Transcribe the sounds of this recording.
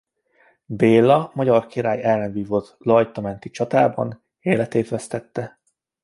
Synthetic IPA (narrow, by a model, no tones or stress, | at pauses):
beːlːɒmɒɟɒrkiɾaːjɛlːɛnviːvot̪lɒjt̪ɒmɛnt̪it͡ʃɒt̪aːbɒ̰n | eːlɛt̪eːt̪ɛst̪ɛt̪ːɛ